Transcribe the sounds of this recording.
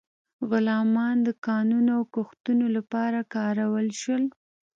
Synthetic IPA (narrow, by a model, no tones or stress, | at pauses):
ɣʊlɑmɑnd̪əkɑnunoawkoxt̪unolapɑɾakɑɾawəlʃwəl